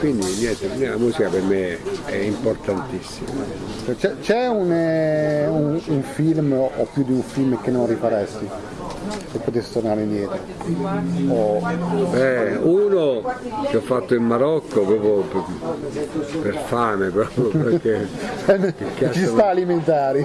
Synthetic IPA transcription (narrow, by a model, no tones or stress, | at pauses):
kwind̪injɛnt̪enɛlamuːsikapeɾmeɛ̰import̪ant̪isːima̰t͡ʃɛt͡ʃɛt͡ʃɛun | unuɱfilmɔpːjud̪iuɱfilmkenːonrːifaɾɛst̪i | pepːot̪esit̪ornaːɾenjɛːt̪e | obɛuːnokeɔfːat̪ːoimmaɾɔkːopɾɔːpɾop | perfaːmepɾɔːpɾjopekeɛmekːat͡ʃːist̪aːliment̪aːɾi